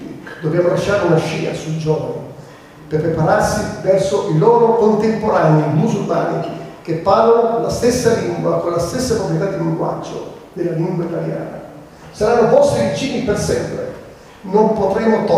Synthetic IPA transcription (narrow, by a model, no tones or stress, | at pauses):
ḭd̪obɾjamːolaʃːaːɾeunaʃːḭːa̰sud͡ʒɔːvani | perpːɾepaɾarsivɛrsoʔilɔːɾokont̪empoɾanimusulma̰ːnik̟epːaːlonlast̪esːaliŋɡwakolːast̪esːakwapt̪it̪ad̪ːiliŋɡwa̰d͡ʒːo̰ | d̪elːaliŋɡwait̪alja̰ːna̰ | saɾanːopɔst̪ivit͡ʃiːnipersɛmpɾḛ | nompot̪ɾemːot̪ɔ